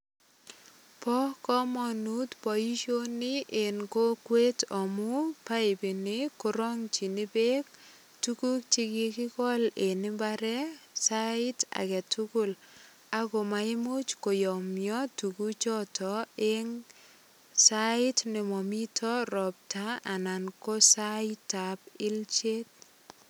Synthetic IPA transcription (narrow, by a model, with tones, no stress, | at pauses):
pɔ˦kɔ˦mɔ˨nu˦tpɔ˨ji˦ʃo˦nːɪ˦ʔe˨nko˦kwe˦tɔ˨mʊ˦pa˦e˨bi˨nɪ˦kʊ˨ɾɔ˦ŋt͡ʃi˨ni˦be˦k̚ | tu˦ku˦kt͡ʃi˦ɡɪ˦kɪ˦kɔ˦le˨nɪ˦mba˦ɾɛ˦saɪ˦ta̰˨kɛ˨tuku˦l | a˦ko˨ma˨ɪ˦mu˦t͡ʃko˨jɔ˨mjɔ˦tu˨ku˦t͡ʃɔ˦tɔ˨e˦ŋ | saɪ˦tnɪ˨mɔ˨mi˦tʰɔ˦ɾɔ˨p̚ta˦a˨na˨nko˦saɪta˨p̚ɪ˦lt͡ʃe˦t̚